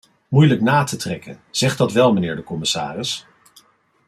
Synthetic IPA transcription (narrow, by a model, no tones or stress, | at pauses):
mujləknaːtətrɛkənz̥ɛχdɑtʋɛlˠmənɪːɹdəkɔmɪsa̰ːrɪs